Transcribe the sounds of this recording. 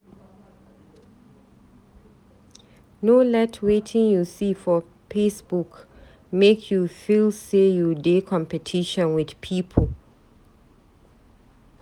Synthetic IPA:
nolɛtʰwetʰɪ̃ŋjusifɔ | pesbuk | mekʰjufilsejudekʰɔ̃mpɛtʰiʃɔ̃nwɪðpʰipʰəl

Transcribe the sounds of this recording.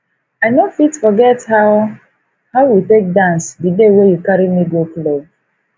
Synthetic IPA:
aɪnofitfɔɡɛthaʊ | haʊjutek̚dãnsdidewejukaɾimidiople

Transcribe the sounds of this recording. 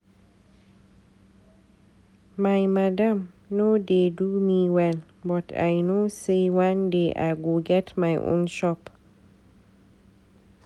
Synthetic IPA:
majmadam | nodedumiwɛl | bɔtʰa̰jnosəjwandeʔa̰ɡuɡɛtmajʔṵnʃɔp

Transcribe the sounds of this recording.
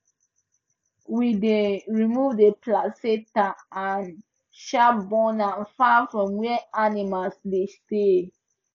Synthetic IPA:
wideɹimuvdeplasetaan | ʃabɔnãnfafɹɔ̃mwɛɛanimalsdeste

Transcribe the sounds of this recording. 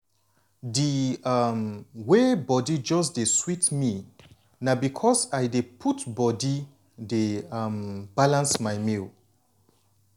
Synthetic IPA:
dimwebɔdid͡ʒɔs̬deswitmi | nabikʰɔsajdepʰutbɔdi | demb̥alãnsmaɪmil

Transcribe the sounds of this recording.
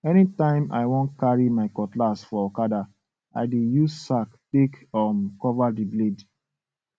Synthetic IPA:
ɛnitãɪ̃ma̰ɪwõnkaɹimaɪkɔtlasfɔɔkada | a̰ɪdejussaktekɔ̃nkɔvadibled

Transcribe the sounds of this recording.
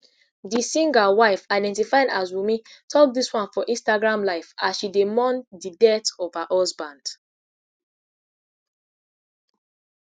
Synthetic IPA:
disĩŋɡawaɪfaɪdɛ̃ntifaɪ̃dazwimĩtʰɔk̚diswãnfɔʔĩnstaɡɹãmlaɪfasʃidemɔ̃ndidɛtɔv̥haʔɔsbãnd̥

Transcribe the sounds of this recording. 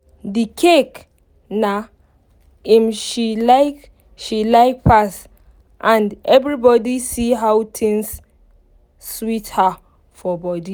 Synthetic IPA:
dikʰek | na | imʃilaɪk | ʃilaɪk̚pas | ʔãndɛvɹibɔdisiɦawtʰĩŋs | switha | fɔbɔdi

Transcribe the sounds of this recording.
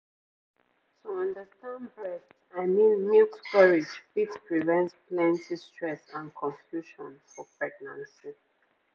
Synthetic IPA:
tuʌ̃ndəstãnbɹɛs | aɪmĩnmilkkʌɹid͡ʒfitpɹivɛ̃ntsplɛ̃ntistɹɛsãnkʰɔ̃ɱfjuʃɔ̃nfɔpɹɛɡ̚nã̰nsi

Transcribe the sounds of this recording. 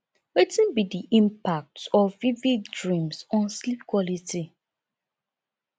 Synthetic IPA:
wetĩnbidiʔĩmpak̚tɔvvivikdɹĩmsɔ̃nslip̚kwɔliti

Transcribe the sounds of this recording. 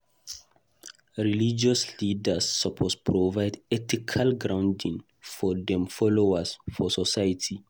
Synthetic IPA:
ɹilid͡ʒɔslidasːapʰospʰɹovajdɛtikʰalɡɹãw̃ndĩŋ | fɔdɛ̃mfɔlowasfɔsɔsajatʰi

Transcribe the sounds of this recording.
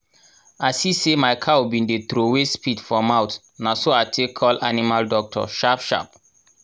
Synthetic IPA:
asisemaɪkʰaubĩndet̪ɾowespidfɹɔ̃maʊt | nasoatʰekʰːɔlʔanimaldɔk̚tʰɔ̰ʃapʃa̰p

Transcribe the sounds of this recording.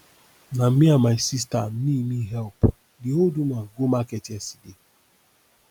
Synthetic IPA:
nam̩miamaɪsis̬tam̩nimiɦɛlp | diodumaɡomaketɛsi̥de

